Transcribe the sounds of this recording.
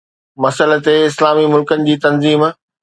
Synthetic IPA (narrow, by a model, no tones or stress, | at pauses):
mɐsəlt̪eɪslaːmimʊlkənɪ̆d͡ʑiːt̪ɐnziːm